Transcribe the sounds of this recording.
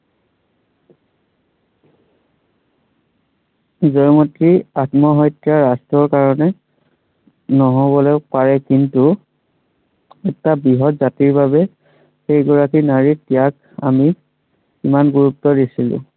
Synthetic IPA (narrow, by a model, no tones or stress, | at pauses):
zɔjmɔtɹiatmɔɦɔjtjaɹastɹɔɹkaɹɔnɛ | nɔɦɔbɔlɔʊpaɹɛkintu | ɛtabiɦɔtzatiɹbabɛ | xejɡɔɹakinaɹitijak | a̰mi | kimanɡuɹup̚tːɔdisilʊ̰̃